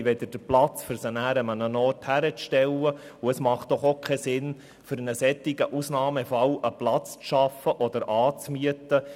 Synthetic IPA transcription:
ʋɛd̪əd̥əɾplɑt͡sfʏɾsənæːɾəmənənɔːrthæɾət͡sʃtɛlə | uəsmɑχt̚d̥ɔχokʰɛsɪn | fʏɾənəsɛt̪ːɪɡəʔusnɑːmefɑwʔəplɑt͡st͡sʃɑfəʔɔd̪əɾʔɑːt͡smyət̪ə

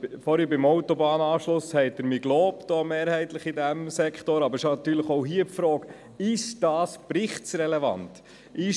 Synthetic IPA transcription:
fɔːɾhibɪmɔʊtobɑːnɑːʃlʊshɛɪt̚d̥əɾmiɡloːpd̥ɔːmeːɾhɛɪtləχidæmsɛkχtoɾɑbəɾʃonɑt̪yːɾləχoʊɦiəpfɾɔːk | ɪʃd̥ɑːspɾɪχtsɾɛlɛvɑ̰nt | ʔɪʃ

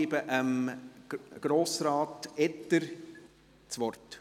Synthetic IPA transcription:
ibəʔəm | ɡ̥ɾoːsɾɑːtɛtːəɾ | t͡sʋɔrt

